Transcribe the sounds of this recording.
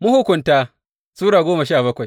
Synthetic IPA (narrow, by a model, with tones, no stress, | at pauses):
mʊ˦hʊ˨kʷʊ˨ntaː˦ | suː˦ɽaː˨ɡʷoː˦mɐ˨ʃaː˦˨bɐ˦kʷa˨j